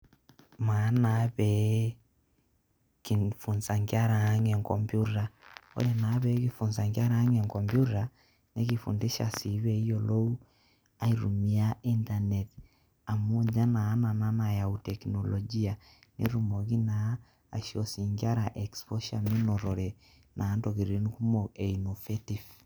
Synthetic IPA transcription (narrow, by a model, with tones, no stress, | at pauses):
ma˨˦na˨˦βɛ˨˦ | ki˨fu˨nsa˨ŋɡi˦a˦ɾa˨a˦ŋe˨ŋkɔ˨mbju˦ɾa˨o̰˦ɾe˨na˨˦βɛ˨˦ki˦fu˨nsa˨ŋɡja˦ɾa˨˦ŋe˨ŋkɔ˨mbju˦ta˨ | ne˦ki˨fṵ˨ndi˦ʃa̰˨si˨˦βɛ˨i˦jo˨lo˦u˦ | a˦iɾu˨mi˨a˦i˦nta˨nɛt | a˨mu˦ɲd͡ʒa˦naː˨˦na˨na˦na˨ja˨u˨tɛ˨kno˨lɔd͡ʒi˦a˨ | nḛ˦ɾu˨mo˨ki˦na̰ː˨˦˨ | ʃio˨si˨ŋɡi˦a˦ɾa˨ʔɛ˨kspɔ˦ʃa˨mi˦nɔ˨ɾɔ˨ɾɛ˨ | nʔa˨˦nto˨ki˨ɾi˦ni˦ku˦mo˨e˨i˨no˨feti˨f